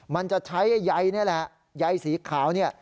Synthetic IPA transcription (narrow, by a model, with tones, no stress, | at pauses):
ma˧nt͡ɕa˨˩t͡ɕʰa˦˥jːa˧jni˥˩ɐlɛ˨˩ʔ | ja˧jsiː˩˦kʰaː˩˦wni˥˩ɐ